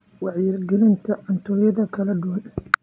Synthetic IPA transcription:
wɑʕjɪrɡɛlɪnt̪ʰɐɐnt̪ʰɔːjɐðɐkʰɐlɐɖʊwɐn

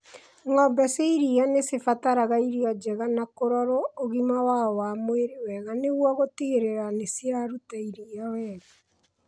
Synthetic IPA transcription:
ŋɔmbɛseiɾianesefataɾaɣaiɾiɔd͡ʒɛɣanakoɾɔɾɔoɣimawaɔwamweɾewɛɣaneɣwɔɣotieɾeɾanesiɾaɾutaiɾiawɛːɣa

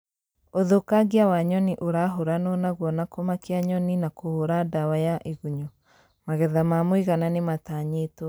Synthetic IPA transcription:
oðokaɡiawaɲɔniʔoɾaɦoɾanɔnaɣwɔnakɔmakeaɲɔninakohoɾadawajaʔiɣuɲɔ | maɣɛðamamwiɣananemataɲeto

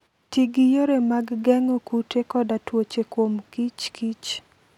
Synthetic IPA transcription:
tiɡijoɾemaɡːɛŋokutekɔdatwot͡ʃekwomkit͡ʃkit͡ʃ

